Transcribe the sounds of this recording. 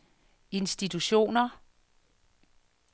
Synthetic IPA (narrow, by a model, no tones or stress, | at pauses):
e̝nsd̥it͡sʰuɕo̝̰ːnɐ